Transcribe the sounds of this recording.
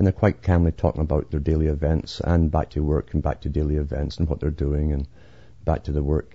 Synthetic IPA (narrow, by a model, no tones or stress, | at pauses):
ə̃nðə˞kʰw̥aɪʔ̚kʰãmlˠitʰɔkɪ̃ŋəbaʊʔðə˞delˠiɪvɛ̃ntsə̰̃nba̰k̚tʰəwɜ˞kʰn̩ba̰k̚tʰədelˠiɪvɛ̃ntsə̃n̩wʌʔ̪̚ðə˞dʉɪ̃ŋə̃n | b̥a̰k̚tʰəðəwɜ˞k̚